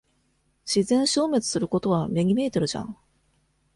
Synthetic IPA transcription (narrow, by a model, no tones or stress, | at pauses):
ɕizẽ̞ɰ̃ɕo̞ːme̞t͡sɨ̥sɨɾɯ̟ko̞t̪o̞β̞amʲe̞ɡʲime̞ːt̪oɾɯ̟ʑã̰ŋ